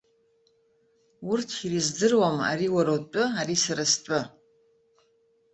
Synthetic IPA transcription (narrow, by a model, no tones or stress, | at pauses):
ʊrtʰirizdɨrwama̰ɾiːwaɾowtʷʼɨaɾisaɾastʷʼɨ